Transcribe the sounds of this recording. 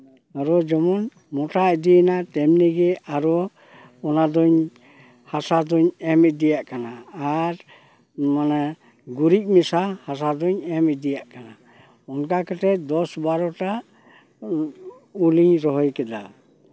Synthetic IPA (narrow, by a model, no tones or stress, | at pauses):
aɾɔd͡ʒɔmɔn | mɔʈaɛd̪iɛnat̪ɛmnɛɡɛʔaɾɔ | ɔnad̪ɔɲ | hasad̪ɔɲɛmɛd̪ɛjaʔkanaːɾ | mana | ɡuɾic̚ˀmɛsahasad̪ɔɲɛmɛd̪ɛjaʔkana | ɔnkakɛt̪ɛd̪ɔsbaɾɔʈa | uliɲɾɔɦɔjkɛd̪a̰